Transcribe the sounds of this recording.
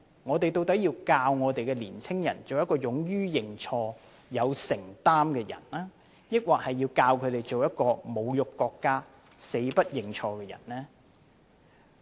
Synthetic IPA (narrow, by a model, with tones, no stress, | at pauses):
ŋɔː˨˧t̪e˨jt̪o˧wt̪ɐ˨˥jiː˧wkaː˧wŋɔː˨˧t̪e˨jkɛː˧liː˨˩nt͡sʰɪ˥ŋjɐ˨˩nt͡so˨wjɐ˥tkɔː˧jʊ˨˥ŋjyː˥jɪ˨ŋt͡ʃʰɔː˧ | jɐ˨˧wsɪ˨˩ŋt̪aː˥mkɛː˧jɐ̰˨˩nlaː˥ | jɪ˥k̚waː˨k̚hɐ˨jːiː˧wkaː˧wkʰɵ˨˧t̪e˨jt͡so˨wjɐ˥t̚kɔː˧mo˨˧wjʊ˨kːɔː˧kːaː˥ | se˨˧jpɐ˥t̚jɪ˨ŋt͡ʃʰɔː˧kɛː˧jɐ̰˨˩nlɛː˥